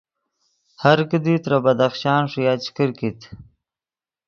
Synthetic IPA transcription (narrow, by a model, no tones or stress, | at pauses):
haɾkəd̪it̪ɾabad̪axʃɑːnʂjɑːt͡ʃkəɾkit̪